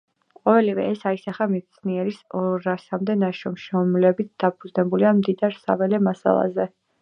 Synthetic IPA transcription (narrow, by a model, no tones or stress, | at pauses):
qʼɔvɛlivɛ̰ɛsaisaχamɛt̪sʰniɛɾisɔɾasamd̪ɛnaʃɔmʃɾɔmlɛbit̪ʰd̪̥apʰud̪znɛbuliamd̪id̪aɾsavɛlɛmasa̰lˠa̰zɛ